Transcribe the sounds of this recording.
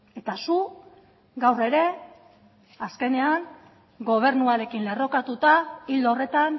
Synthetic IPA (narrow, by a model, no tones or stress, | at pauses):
e̞t̪asu | ɡawre̞ɾe̞ | aske̞ne̞aŋ | ɡo̞β̞e̞ɾnuaɾe̞kinle̞ro̞kat̪ut̪aild̪ore̞t̪an